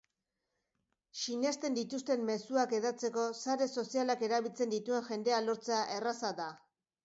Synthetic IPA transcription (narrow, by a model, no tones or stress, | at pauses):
ʃine̞st̪e̞nd̪it̪ust̪e̞mme̞suake̞ðat͡se̞ko̞saɾe̞so̞sialake̞ɾaβilt͡se̞nd̪it̪ue̞ŋʝe̞nd̪e̞alo̞ɾt͡seaʔe̞rasaða